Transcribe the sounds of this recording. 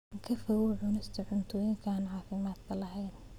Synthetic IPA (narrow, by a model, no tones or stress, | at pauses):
kʰɐfɐwʊʕʊnɪst̪ʰɐʕʊnt̪ʰɔːjɪŋkʰaːnʕɑːfɪmaːd̪kʰɐlɐɦɛjn